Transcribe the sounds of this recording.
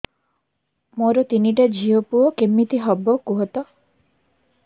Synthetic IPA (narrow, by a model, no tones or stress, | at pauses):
moɾɔt̪iniʈad͡ʒʱiɔpuɔkemːit̪iɦɔbɔkuɦɔt̪ɔ